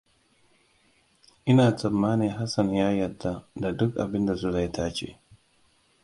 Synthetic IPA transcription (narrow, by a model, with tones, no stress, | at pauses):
ʔɪ˦naː˨tʰɐ˨mːaː˦niː˨ɦa˦sɐ˨njaː˦jɐ˨rda˦da˨dʊ˦kʔa̰˨bɪ˦nda˨zu˦la˨jtʰaː˦t͡ʃḛː˦